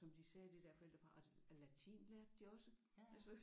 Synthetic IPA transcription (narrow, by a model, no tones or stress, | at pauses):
ɒ̽md̥isɛːd̥e̝d̥eɐ̰fɒ̽el̰d̥ɐpʰɑ̈ɒ̥læt͡sʰḭːnlæd̥d̥iɒ̽sə | ælsɒ